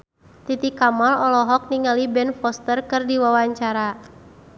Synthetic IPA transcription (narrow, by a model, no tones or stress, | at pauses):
t̪it̪ikamalɔlɔɦɔk̚niŋalibɛnfɔst̪ərkɨrdiwawaɲt͡ʃaɾa